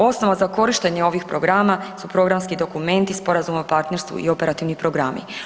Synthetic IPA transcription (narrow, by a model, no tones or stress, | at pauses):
o̞sno̞ʋazako̞ɾiʃt̪e̞ɲeo̞ʋixpɾo̞ɡɾaːmasupɾo̞ɡɾamskid̪o̞kume̞nt̪ispo̞ɾazumopaɾt̪ne̞ɾst̪ʋṵḭo̞pe̞ɾat̪iʋnipɾo̞ɡɾaːmḭ